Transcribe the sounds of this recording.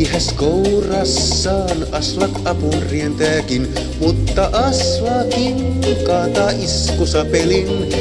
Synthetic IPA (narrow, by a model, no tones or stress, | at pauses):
ihæskowrɑsːɑːnʔɑslɑkʔɑpunrient̪æːkin | mut̪ːɑʔɑslɑkinkɑːt̪ɑːʔiskusɑpelin